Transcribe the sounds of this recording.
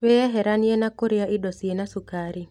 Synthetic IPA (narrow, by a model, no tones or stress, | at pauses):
wejɛɦɛɾanjenakoɾejaʔɪdɔsienasukaɾi